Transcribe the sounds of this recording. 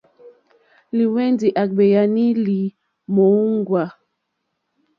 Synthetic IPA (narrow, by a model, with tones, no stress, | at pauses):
li˨wɛ˦ndi˨ʔa˨k̚ɓɛ˨ja˨ni˦li˨ | mo˨˦u˦ŋɡwa˨